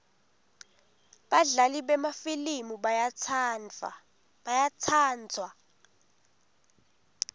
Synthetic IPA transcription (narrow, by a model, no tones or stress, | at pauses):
ɓaɮaliɓɛmafilimu | jat͡sʰaːnd͡zʱwa